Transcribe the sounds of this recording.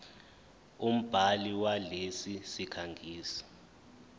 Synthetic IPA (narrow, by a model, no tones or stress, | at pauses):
um̩b̥ʱaliwalesisikʰaŋɡʱiːsi̥